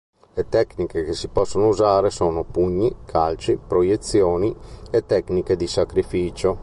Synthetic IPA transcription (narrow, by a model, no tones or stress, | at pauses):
let̪ɛknikek̟esipɔsːonouzaːɾesoːnopuɲːikʰalt͡ʃipɾojet̪sːjoːniet̪ːɛkniked̪isakɾifiːt͡ʃo